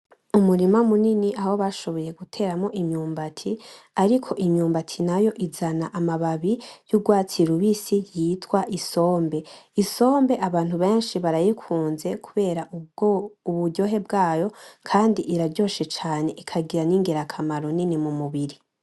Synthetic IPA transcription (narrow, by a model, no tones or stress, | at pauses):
umuɾimamuniniʔaho̞βaʃo̞βo̞je̞ɡutʰe̞ːɾamo̞ʔimɲuːmbatʰiaɾikʰo̞ʔimɲuːmbatʰinajo̞ʔizanaʔamaβaβijuɡwaːt͡siɾuβisijitʰwaʔiso̞ːmbe̞iso̞ːmbe̞ʔaβaːnthuβe̞ːnʃiβaɾajikʰuːnze̞kʰuβe̞ːɾa | uβuɟo̞ɦe̞bɡaːjo̞kʰaːndiʔiɾaɾɟo̞ːʃet͡ʃaːne̞ʔikʰaɡiɾaniːŋɡeɾakʰamaɾoninimumuβiɾi